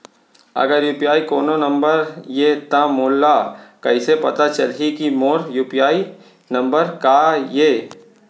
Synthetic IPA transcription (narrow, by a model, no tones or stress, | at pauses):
ɐ̰ɡəɾjuːpijaːikoːnonɐ̃mbəɾjet̪ãmoːlːakɐisepɐt̪at͡ʃɐlɦikimoːɾjuːpijaːi | nɐ̃mbəɾkajeː